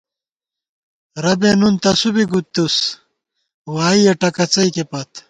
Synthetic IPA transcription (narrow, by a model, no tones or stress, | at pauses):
ɾɐbenunt̪ɐsubiɡut̪ːus | waːijɐʈɐkɐt͡sɐikepɐt̪